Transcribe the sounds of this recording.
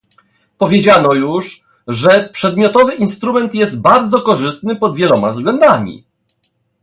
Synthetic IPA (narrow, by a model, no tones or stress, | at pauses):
pɔvʲjed͡ʑanɔjuʂ | ʐɛpʂɛd̪mʲjɔt̪ɔvɘʔinst̪ɾumɛnt̪jɛst̪̚baɾd̪zɔkɔʐɘst̪nɘpɔd̪vjɛlɔmavzɡlɛnd̪amʲḭ